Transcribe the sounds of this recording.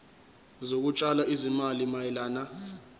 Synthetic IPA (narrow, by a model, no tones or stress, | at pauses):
zok̬ut͡ʃʼalaizimalimajɛlaːna